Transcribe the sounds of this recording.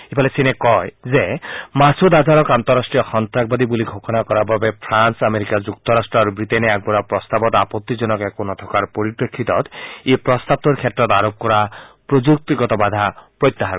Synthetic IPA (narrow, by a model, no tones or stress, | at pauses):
ibʰʱalesinekɔjzemasud̪azaɾɔkant̪ɔɾasʈɹijɔxɔnt̪ɾak̚bad̪ibuliɡʱokʰɔnakɔɾababepʰɾansameɾikad͡ʒuk̚t̪ɔɾasʈɾɔaɾubɾit̪eneaɡ̚bɔɾapɾɔst̪abɔt̪apɔt̪ːizɔnɔkekonɔt̪ʰɔkaɾpɔɾipɾekʰːit̪ɔt̪epɾɔst̪ab̚t̪uɾkʰɛt̪ːɾɔt̪aɾop̚kɔɾapɾod͡ʒuk̚t̪iɡɔt̪ɔbad̪ʱapɾɔjt̪ːaɦa